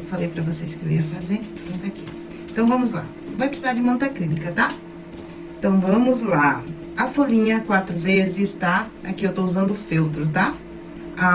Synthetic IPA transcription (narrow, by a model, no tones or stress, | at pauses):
falejpɾɐvoseskeveiɐfazẽmõt̪ɐkik | ẽt̪ɐ̃w̃vɐ̃mʊzla̰ | vajpɾɪsizaɾd͡ʒɪmõnt̪ɐklinikɐt̪a | ẽt̪ɐ̃w̃vɐ̃mʊzla | ɐfolĩɲɐkwat̪ɾʊvezɪɪst̪aa̰kiewt̪ouzɐ̃nd̪ʊʊfiwt̪ɾʊt̪a | a